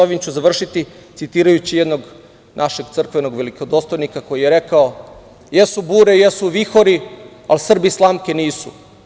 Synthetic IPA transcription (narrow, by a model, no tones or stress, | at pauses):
oʋimt͡ɕuzaʋr̩ʃit̪it̪sit̪iːɾajut͡ɕijed̪no̞ɡ | nʔaʃe̞ɡt̪sr̩kʋe̞no̞ɡʋelikod̪ost̪ojnikako̞jijeɾe̞kao | jesubuːɾejesuʋixoɾi | alsr̩bislˠaːmkeniːsṵ